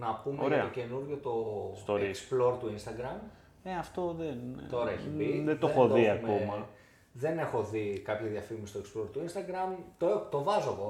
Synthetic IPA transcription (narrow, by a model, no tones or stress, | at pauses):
nɐpumoeɾeɐoce̞nuɾʝot̪o̞st̪oikksplo̞ɾt̪uinst̪ɐɡɾɐm | neɐft̪oðent̪o̞ɾɐeçipiðeðoxoðiɐkmomɐ | ðe̞ne̞xo̞ðikɐpçɐðiɐfiɣmst̪oeksplo̞ɾt̪uinst̪ɐɡɾɐmt̪oet̪o̞vɐzoɣo̞